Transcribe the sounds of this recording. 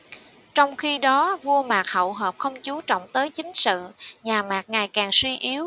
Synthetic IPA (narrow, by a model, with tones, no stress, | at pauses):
t͡ɕɔ˧wŋ͡mxi˧ɗɔ˨˦vu˧əmaː˨˩k̚hə̰˧˨wɦəː˨˩p̚xə˧wŋ͡mt͡ɕu˨˦t͡ɕɔ̰˧˨wŋ͡mt̪əː˨˦jt͡ɕï˨˦ŋ̟sɨ̰˧˨ɲaː˨˩maː˨˩k̚ŋa˨˩jkaː˨˩ŋswi˧ʔi˨˦əw